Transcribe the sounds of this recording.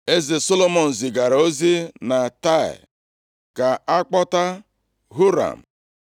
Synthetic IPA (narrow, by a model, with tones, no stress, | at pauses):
e˦zɪ˨so˦lo˦mɔ˨n̩˨zɪ˨ɡa˨ɾa˨o˦zi˦na˨ta˦˨ɪ̰˨ | ka˨a˦k͡pɔ˦ta˦ | ɦu˦ɾa̰˨m̩˨